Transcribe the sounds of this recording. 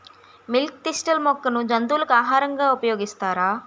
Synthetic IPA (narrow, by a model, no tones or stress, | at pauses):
milk̚t̪isʈɐlmɔkːɐnud͡ʒɐnd̪uːlɐkuaːɦaːɾɐŋɡaːupɐjoːɡist̪aːɾaː